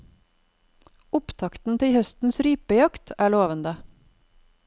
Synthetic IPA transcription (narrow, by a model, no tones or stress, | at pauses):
ʊpt̪ʰɑkt̪n̩t̪ʰɪlhœst̪n̩sɾyːpəjɑkt̪ʰæːɭoːʋənd̪ə